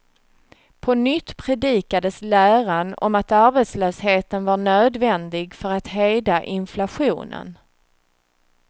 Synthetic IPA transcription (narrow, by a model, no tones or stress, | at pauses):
pʰɔnʏt̪ːpʰɾɛd̪iːkad̪əslæːɾanɔ̰mat̪aɾbɛt̪slœːsheːt̪ənvaɳøːd̪vɛnd̪ɪɡfœɾat̪ɦɛjd̪aʔɪnflaɧṵːnə̰n